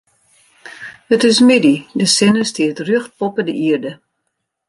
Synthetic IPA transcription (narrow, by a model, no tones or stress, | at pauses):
hətɪsmididəsɪnəstɪətrøəxt̚pɔpədəʔiərdə